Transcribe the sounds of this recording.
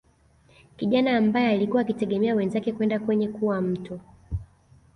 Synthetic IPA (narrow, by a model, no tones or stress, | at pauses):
kiʄanaːmbajɛalikuwaːkitɛɠɛmɛawɛnzakɛkuwɛndakwɛɲɛkuwam̩tɔ